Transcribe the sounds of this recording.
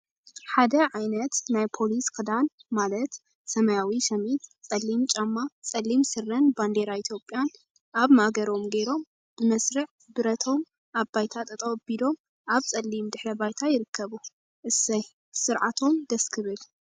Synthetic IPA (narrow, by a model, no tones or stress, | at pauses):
ħad̪ɐʕajnɐt̪najpʰo̞liskʰɨd̪anmalɐt̪ | sɐmɐjawiʃɐmit̪t͡sʼɐlːimt͡ʃʼamːat͡sʼɐlːimsɨrːɐnband̪eɾait̪ʰjo̞pʼjan | aβmaɡɐɾo̞mɡe̞ɾo̞m | b̥ɨmɐsɾɨʕ | bɨɾɐt̪ʰo̞m | ʔaβbajt̪ʰat̪ʼɐt̪ʼɐwbid̪o̞m | ʔaβt͡sʼɐlːimd̪ɨħɾɐbajt̪ʰajɪɾɨkʰːɐβu | ʔɨsɐj | sɨɾʕat̪ʰo̞md̪ɐskʰɨβɨl